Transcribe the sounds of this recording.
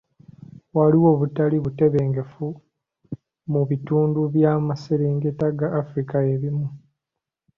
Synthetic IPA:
waliwo̞ːβutaliβute̞βeːŋɡefu | muβituːnduβjaːmaseɾiːŋɡetaɡaːfuɾikaeβimu

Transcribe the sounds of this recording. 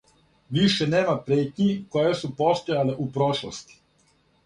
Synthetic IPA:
ʋiʃeneːmapɾeːt̪ɲikojesupo̞st̪ojaleʔupɾoʃlˠost̪i̥

